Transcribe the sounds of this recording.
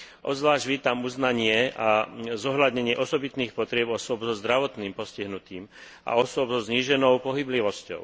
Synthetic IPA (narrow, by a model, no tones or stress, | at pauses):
ʔɔ̰zʋlaːʒɟʋiːt̪amuznaɲɪɛazɔɦlad̪ɲɛɲɪɛʔɔsɔbit̪niːxpɔt̪ɾɪɛbɔsʊɔbzɔzd̪ɾaʋɔt̪niːmpɔsciɦnut̪iːm | ʔa̰ɔsʊɔbzɔzɲiːʒɛnɔʊpɔɦibliʋɔscɔ̰ʊ